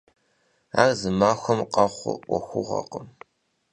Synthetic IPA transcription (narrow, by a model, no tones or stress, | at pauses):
arzɨmaːxʷɔmqɑχʷʊ̰ʔʷɔxʷʊʁɐ̰qəm